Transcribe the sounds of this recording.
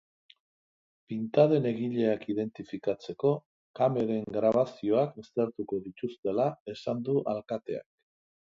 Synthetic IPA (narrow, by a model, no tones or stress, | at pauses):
pint̪aðe̞ne̞ɣiʎe̞akið̞e̞nt̪ifikat͡se̞ko̞ | kame̞ɾe̞ŋɡɾaβasio̞akest̪eɾt̪uko̞ðit̪ust̪e̞lae̞sand̪uʔalkat̪e̞a̰k̚